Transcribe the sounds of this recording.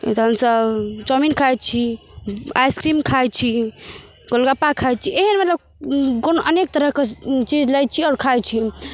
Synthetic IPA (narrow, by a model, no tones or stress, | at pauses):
t̪ɦəmsəbt͡ʃəminkʰajt͡ʃʰi | a̰jskɾimkʰajt͡ʃʰi | ɡolɡapakʰaj̚t͡ʃʰieɦənmət̪ləb̚ | konʔənek̚t̪əɾəɦket͡ʃid͡ʒlajt͡ʃʰiɔɾkʰajt͡ʃʰi